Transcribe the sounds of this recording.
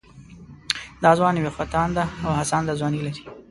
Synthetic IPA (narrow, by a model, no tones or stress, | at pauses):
d̪ɑzwɑnwexwat̪ɑnd̪aːwhasɑnd̪azwɑnilaɾi̥